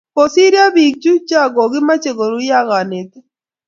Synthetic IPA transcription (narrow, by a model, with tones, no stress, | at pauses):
po˨si˦ɾja˦bi˨k̚d͡ʒu˦t͡ʃa˦ɡo˨ɡɪ˦ma˦t͡ʃe˨ɡo˨ɾu˦ja˦ɣa˨nɪ˨t̪